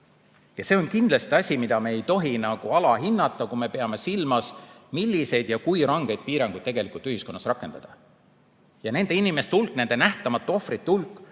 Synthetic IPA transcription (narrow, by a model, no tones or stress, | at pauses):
jɑse̞o̞nkind̪lɑst̪iɑsʲimid̪ɑmeːejt̪o̞ɦinɑɡ̥uɑlɑɦinːɑt̪ːˑɑkume̞pe̞ɑme̞silmɑsmilʲːise̞jd̪jɑkujɾɑŋɡ̥e̞jd̪̚piːɾɑŋɡ̥ujd̥̪t̪e̞ɡ̥e̞likˑult̪yhisko̞nːɑsrɑkːˑe̞nd̪̥ɑd̪̥ɑ | jɑne̞nd̪e̞inime̞st̪eulkːne̞nd̪enæht̪ɑmɑt̪ːˑo̞frit̪ːeulkˑː